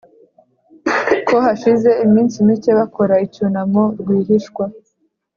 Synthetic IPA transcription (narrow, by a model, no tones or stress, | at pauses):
kohaʃize̞imiːnsimit͡ʃe̞βakʰo̞ɾaicunamoɾɡwiːɦiʃkwa